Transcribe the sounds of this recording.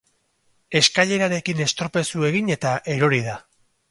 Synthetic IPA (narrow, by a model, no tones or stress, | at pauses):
e̞skaʎe̞ɾaɾe̞kine̞st̪ɾope̞sue̞ɣ̞ine̞t̪aʔe̞ɾo̞ɾið̞a